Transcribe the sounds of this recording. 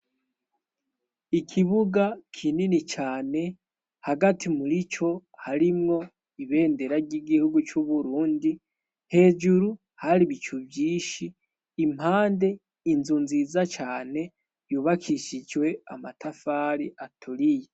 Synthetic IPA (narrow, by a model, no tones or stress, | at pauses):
ikʰiβuɡakʰininit͡ʃaːne̞ | haɡatʰimuɾit͡ʃo̞haɾimŋo̞ | iβe̞ːnde̞ɾaɾɟiɡihuɡut͡ʃuβuɾuːndi | he̞ːd͡ʒuɾu | haɾiβit͡ʃubjiːʃiː | m̥haːnde̞ | inzunziːzat͡ʃaːne̞ | βjuːβakʰiʃid͡ʒwe̞amatʰafaːɾiʔatʰuɾije